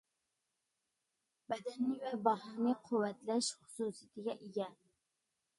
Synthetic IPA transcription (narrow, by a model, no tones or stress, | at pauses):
bɛd̪ɛnːɪvɛbɑɦɑːnɨqʰʊwːɛt̪lɛʃχʊ̥suːsijit̪ʰɪɡʲɛʔeɡʲɛ